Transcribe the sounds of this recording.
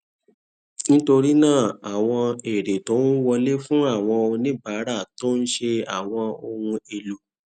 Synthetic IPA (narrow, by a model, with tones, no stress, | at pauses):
nĩ˦to˧ɾi˦nãː˦˨a˨w̃ɔ̃˧e˨ɾe˨tõ˨˦nu˦wɔ˧le˦fũ˦a˦˨w̃ɔ̃˧nĩ˦baː˨˦ɾa˦˨to˦n̩˦ʃe˧a˦˨w̃ɔ̃˧o˧hũ˧e˨lu˨